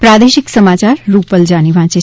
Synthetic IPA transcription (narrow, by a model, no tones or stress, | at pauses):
pɾad̪eʃiksəmat͡ʃaɾːupəld͡ʒaniʋʱãt͡ʃe